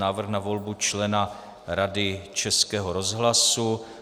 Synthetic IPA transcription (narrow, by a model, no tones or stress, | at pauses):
aːvr̩xnavo̞lbut͡ʃlɛna | ɾadɪt͡ʃɛskɛːɦoɾozɦlasu